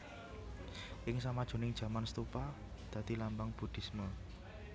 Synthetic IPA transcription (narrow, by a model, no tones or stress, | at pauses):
ʔɪŋsamad̥ʒ̥o̤nɪŋd̥ʒ̥ä̤manst̪upa | d̪̥ä̤d̪̥ilambaŋb̥ṳd̪̥i̤smə